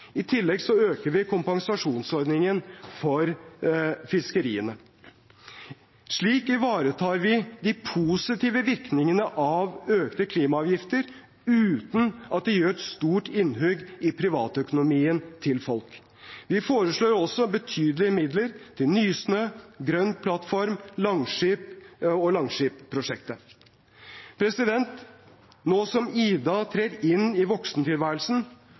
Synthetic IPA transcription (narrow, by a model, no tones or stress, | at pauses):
ɪt̪ʰɪlːɛɡsɔøːkəɾʋɪkʰʊmpɑŋsɑʂuːnsɔɾd̪nɪŋənfɔɾ | fɪskəɾḭːənə | ʂɭiːkɪʋɑːɾət̪ʰɑːɾʋɪd̪ɪpʰuːsɪt̪iːʋəʋɪɾknɪŋənəʔɑʋøːkt̪əkʰliːmɑɑːʋjɪft̪əɾ | ʉːt̪n̩ɑt̪̚d̪ɛjøːɾɛt̪st̪uːʈɪnːɦøːɡɪpʰɾɪʋɑːt̪œkʊnʊmiːənt̪ʰɪlfɔlk | ʋɪfoːɾəʂɭoːɾɔsɔbət̪ʰyːd̪əlɪəmɪd̪ləɾt̪ʰɪlnyːsnøːɡɾœnːpʰlɑt̪fɔɾmlɑŋʂiːpɔlɑŋʂiːppʰːɾʊʂɛkt̪ə | pʰɾɛsɪd̪ɛnt̪ | noːsɔmiːd̪ɑt̪ʰɾeːɾɪnɪʋɔksnət̪ʰɪlʋæːɾəlsn̩